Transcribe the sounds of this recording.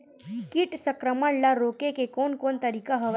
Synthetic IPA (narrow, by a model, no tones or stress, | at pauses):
kiʈsɐkɾəməɳlaɾoːkekekoːnkoːnt̪ɐɾiːkaɦɐʋ